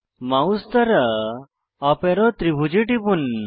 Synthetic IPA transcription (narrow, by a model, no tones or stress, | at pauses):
maust̪ɐɾɐ | ɐpeɾot̪ɾibʱud͡ʑiʈibun